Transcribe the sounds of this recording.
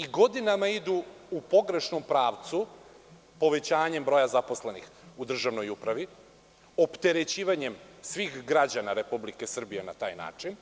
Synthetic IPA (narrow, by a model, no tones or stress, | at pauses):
iɡo̞d̪inamaid̪uː | po̞ɡɾe̞ʃnompɾaːʋt̪su | po̞ʋe̞t͡ɕaːɲe̞mbɾo̞jazaposlenix | ud̪r̩ʒaʋno̞jupɾaʋi | o̞pt̪e̞ɾe̞t͡ɕiːʋaɲe̞msʋiːxɡɾad͡ʑanaɾe̞publike̞sr̩bije̞na̰t̪a̰ːjna̰ːt͡ʂin